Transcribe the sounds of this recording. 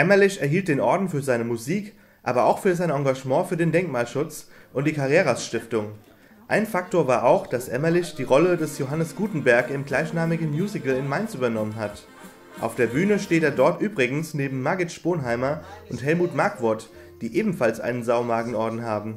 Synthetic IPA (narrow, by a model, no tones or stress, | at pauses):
ʔɛmɐlɪçɛɐɦiːlt̚d̥eːnʔɔɐdn̩fyːɐzaɪnəmuziːk | ʔa̰ːbɐʔa̰ʊxfyːɐzaɪnɑ̃ŋɡaʒmɑ̃ːfyːɐdeːndɛŋkmaːlʃʊt͡sʔʊntd̥iːkʰaʁeːʁasʃtɪftʊŋ | ʔaɪnfak̚toːɐvaːɐʔaʊxd̥asʔɛ̰mɐlɪçd̥iːʁɔlədɛsjoɦanəsɡ̥uːtn̩bɛɐkɪmɡlaɪçnaːmɪɡŋ̩mjuːzɪkl̩ɪnmaɪnsʔyːbɐnɔmənɦat | ʔa̰ʊfd̥eːɐbyːnəʃteːteːɐdɔɐtʔyːbʁɪɡŋ̩sneːbm̩ːaɡɪʃb̥oːnɦaɪmɐʔʊntɦɛlmuːtmaɐkv̥ʊɐt | d̥iːʔeːbm̩falsʔa̰ɪnənzaʊmaːɡŋ̩ɔɐdn̩ɦaːbm̩